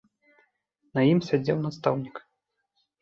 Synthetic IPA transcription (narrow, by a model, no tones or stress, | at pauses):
nɐjimsʲad͡zʲɛwnast̪awnʲik